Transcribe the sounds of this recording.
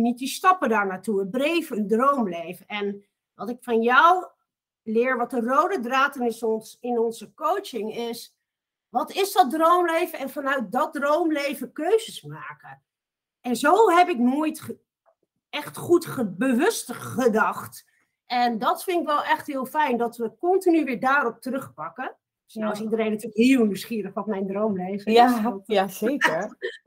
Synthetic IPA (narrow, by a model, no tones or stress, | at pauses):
nit̚distɑpədaːɹnaːtuəbrejvəəndrowmlejvəɛn | ʋɑtɪkfɑnjɔw | lɪːɹʋɑt̚ərowdədraːtənɪsɔnsɪnɔnzəkowt͡ʃɪŋɪs | ʋɑtɪsdɑt̚drowmlejvəɛnfɑnœɥt̚dɑt̚drowmlejvəkøɥzəsmaːkə | ʔɛnzoːɦɛpɪk̚nujt | ɛxtχutχəbəʋɵstχədɑxt | ʔɛndɔtfɪnɪkʋɛlˠɛxthiəlˠfɛjndɔtʋəkɔntinyʋɪːɹdaːrɔp̚tərøxpɑkə | snɔɪsidərejnatyːləkhiːəlˠnywsχiəɾəxʋɔtmɛjndroːmleːvəa